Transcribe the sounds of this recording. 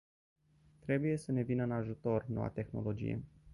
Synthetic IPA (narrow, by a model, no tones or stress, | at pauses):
t̪ɾe̞buje̞səne̞vinəɨnaʒut̪o̞rno̞̰wa̰t̪e̞xno̞̰lo̞d͡ʒḭjḛ